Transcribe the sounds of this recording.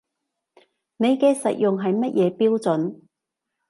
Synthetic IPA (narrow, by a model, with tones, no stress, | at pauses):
ne˨˧jkɛː˧sɐ̰˨t̚jʊ˨ŋɦɐ˨jmɐ˥t̚jʔɛː˨˧piː˥wt͡sɵ˨˥n